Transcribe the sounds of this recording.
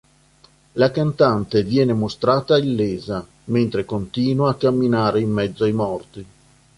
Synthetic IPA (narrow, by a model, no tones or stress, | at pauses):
lakant̪ant̪evjɛːnemost̪ɾaːt̪ailːeːza | ment̪ɾekont̪iːnwaːkːamːinaːɾeimːɛd̪zːoajmɔrt̪i